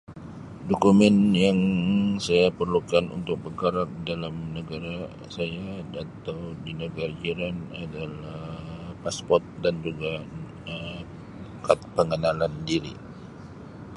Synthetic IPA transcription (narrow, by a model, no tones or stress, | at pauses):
dokumɛnjaŋsajapərlukanʔṵnt̪ʊk̚bəkaɾak̚dalamnəɡaɾa | sajaat̪awdinəɡaɾad͡ʒiɾanadalapaspɔrt̪̚dand͡ʒuɡa | ə | kat̪pəŋənalandiɾḭ